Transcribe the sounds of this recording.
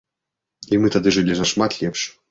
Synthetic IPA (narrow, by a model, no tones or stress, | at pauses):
imɨt̪ad̪ɨʐɨlʲizɐʂmat̪lʲɛpʂ